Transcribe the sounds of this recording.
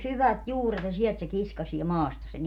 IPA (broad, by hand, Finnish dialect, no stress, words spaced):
syʋæt juːret jɑ siɛlt se kiskɑsie mɑːstɑ sen